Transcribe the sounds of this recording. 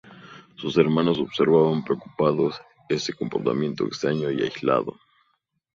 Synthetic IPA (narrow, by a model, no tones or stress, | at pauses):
suse̞ɾmãnoso̞βse̞ɾβaβampɾeoku̥paðos | e̞sekompo̞ɾt̪a̰mjẽ̞nt̪o̞ekst̪ɾaɲo̞ia̰jzla̰ðo̞̰